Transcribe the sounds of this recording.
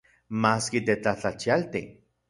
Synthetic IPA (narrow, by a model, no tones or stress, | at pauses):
maːskit̪et͡ɬat͡ɬat͡ʃialt̪i